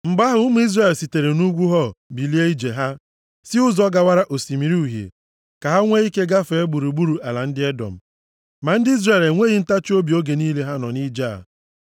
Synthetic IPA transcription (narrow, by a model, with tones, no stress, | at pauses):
m̩˨ɡ͡ba˦ɦʊ˦mʊ˦i˦zre˦˨lsi˨te˨ɾe˨nu˦ɡʷu˦ɦɔ˦bi˨li˦e˦i˦d͡ʒe˨ɦa˦ | sɪ˦ʊ˦zɔ˦ɡa˦wa˦ɾa˦ʔo˨si˨mi˨ɾi˦u˨ɦjḛ˨ | ka˨ɦa˦ŋʷe˦i˦ke˦ɡa˦fe˨e˦ɡ͡bu˨ɾu˨ɡ͡bu˦ɾu˨ʔa˨la˨n̩˦dɪ˦ɛ˦dɔ̰˨m̩˨ | ma˨n̩˦dɪ˦i˦zre˨lŋʷe˦ɣi˦n̩˦ta˦t͡ʃo˦bi˨o˦ɡe˨niː˦le˦ɦa˦nɔ˨ni˦d͡ʒa̰˦˨